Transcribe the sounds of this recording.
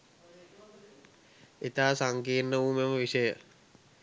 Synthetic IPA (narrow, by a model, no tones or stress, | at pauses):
et̪aːsaŋkiːnːəuːmeməʋisəjə